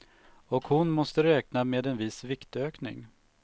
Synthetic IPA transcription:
ɔkhʊnmɔst̪əɾɛːknameːd̪ɛnvɪsvɪkt̪øːknɪ̰ŋ

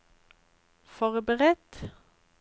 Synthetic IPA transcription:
fɔʁbəʁɛt̪

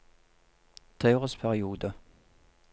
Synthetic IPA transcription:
t̪ʰeɪʁəspʰæʁɪuːd̪ə

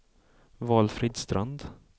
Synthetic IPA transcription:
vɑːlfɾɪːd̪st̪ɾand̪

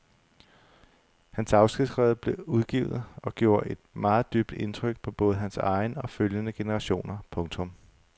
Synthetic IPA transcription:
hænsɑ̈ʊsɡ̥id̥sʁɛ̰ːðˠb̥le̝uð̞ˠɡ̥ḭʊð̩ˠɒ̽ɡ̥jo̝ːɐʔe̝d̥mɑ̈ːð̞̩ˠd̥yb̥d̥e̝nt͡sʰʁœɡ̥̚pʰɒ̽b̥ɔ̽ːð̞̩ˠɦænsɑ̈ɪnəɒ̽føljənəɡ̥e̝nəʁɑ̈ɕo̝̰ːnɐpʰɔ̽ŋt͡sʰɔ̽m

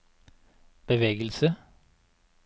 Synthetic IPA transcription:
b̥əʋeːɡəlsə

